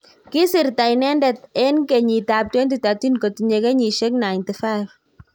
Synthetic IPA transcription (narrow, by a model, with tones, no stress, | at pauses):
ki˦si˨ɾta˨jnɛ˦ndɛ˨t̚e˦nke˨ɲi˨ta˨p̚twe˦nti˨ta˨ti˦nko˨ti˨ɲe˧ke˦ɲi˨ʃe˦kna˨inti˨fa˦jf